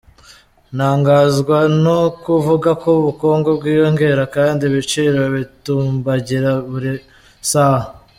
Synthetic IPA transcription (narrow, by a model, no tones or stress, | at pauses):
naːŋɡaːzɡwanokuvuɡakoβuko̞ːŋɡo̞b̚ɡwiːjo̞ŋɡe̞ɾakaːndiβit͡ʃiɾaβituːmbaɟiɾaβuɾi | saha